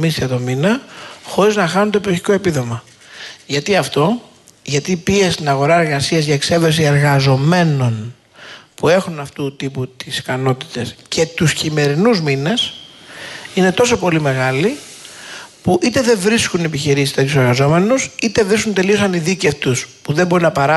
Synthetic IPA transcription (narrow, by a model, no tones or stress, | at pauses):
misiɐt̪o̞minɐxo̞ɾiznɐxɐnunt̪o̞poçi̥ko̞e̞piðo̞mɐ | ʝɐt̪iɐft̪o̞ | ʝɐt̪ipiest̪inɐɣo̞ɾɐe̞ɾɣɐsiɐzʝɐekse̞vesie̞ɾɣɐzo̞me̞no̞n | pue̞xunɐft̪ut̪iput̪isi̥kɐno̞t̪i̥t̪e̞sce̞t̪uscime̞ɾinuzmine̞s | ine̞t̪o̞so̞po̞lime̞ɣɐli | puʔit̪e̞ðe̞vɾiskunepiçiɾisist̪ɐt̪useɾɣɐzo̞me̞nusit̪e̞vɾiskunt̪e̞lio̞sɐniðiceft̪uspuðe̞mbo̞ɾinɐpɐɾɐ